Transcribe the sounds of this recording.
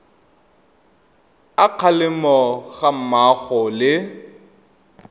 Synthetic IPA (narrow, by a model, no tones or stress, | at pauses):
aq͡χʰalɪmɔɣam̩maɣɔlɪ